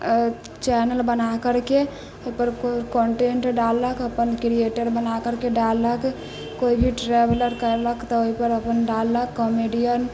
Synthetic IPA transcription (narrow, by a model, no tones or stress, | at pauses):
t͡ʃɛːnəlbənakəɾke | oipəɾkɔːɳʈeːɳʈɖalːəkəpənkɾieʈəɾbənakəɾkeɖalək | koibʱiʈɾɛbləɾkəɾləkt̪ɔoipəɾəpənɖalːəkːɔmeɖijən